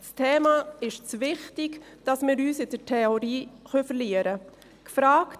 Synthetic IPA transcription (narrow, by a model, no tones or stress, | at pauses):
stʰeːmaɪʃt͡sʋɪχtɪk | d̥ɑsmɪːɾyːsɪd̥ətʰɛoɾiːχœfəɾliːəɾə | kfɾaːkt